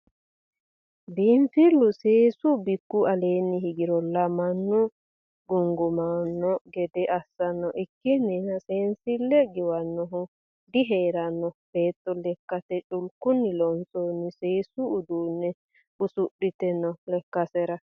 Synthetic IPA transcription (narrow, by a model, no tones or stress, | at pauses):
biːmfilːuseːsubɪkːuʔɐleːnːiɦiɡɪɾɔlɐmɐnːʊ | ɡʊŋɡʊmanːɔɡɛd̪ɛʔɐsːɐnːɔʔɪkːɪnːinɐseːnsilːɛɡɪwɐnːɔɦʊ | d̪iɦeːɾɐnːɔb̥eːt̪ːɔlɛkːɐt̪ɛt͡ʃʼʊlkʊnːɪlɔnsʼoːnːiseːsuːd̪uːnːɛ | ʊsʊɗːɪt̪ɛnːɔlɛkːɐsɛɾɐ